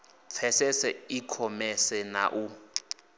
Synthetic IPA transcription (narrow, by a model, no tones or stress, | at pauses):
p̪fʰɛsɛsɛikʰɔmɛsɛna̰ʔu